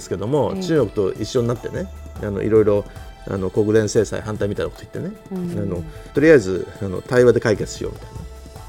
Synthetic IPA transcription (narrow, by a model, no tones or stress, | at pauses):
sɨ̥ke̞d̪o̞mo̞t͡ɕɨːŋokɯ̟t̪o̞ʔiɕːoɲinat̪ːe̞neano̞̰ʔḭɾo̞iɾo̞ | a̰no̞ko̞kɯ̟d̪ẽse̞ːsa̰ḭɦãnt̪aimʲit̪ainako̥t̪oi̥t̪ːe̞ne̞ano̞t̪o̞ɾʲiaezɨano̞̰t̪aiβad̪e̞kaike̞t͡sɨ̥ɕḭjo̰mʲʔi̥t̪aina